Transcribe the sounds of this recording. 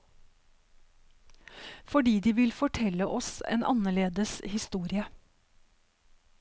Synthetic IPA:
fɔɖiːd̪iːʋɪlfɔʈʰɛləʔɔsḛːnʔɑ̰nəɭeːd̪əshɪst̪uːɾɪə

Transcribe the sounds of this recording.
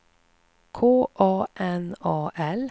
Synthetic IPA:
kʰoːʔɑːʔɛnɑːʔɛl

